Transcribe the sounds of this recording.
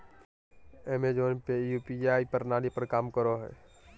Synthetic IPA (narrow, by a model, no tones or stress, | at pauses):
emed͡ʒoːnpejupiaːipəɾnaːlipəɾkaːmkəɾoɦɛ̰ː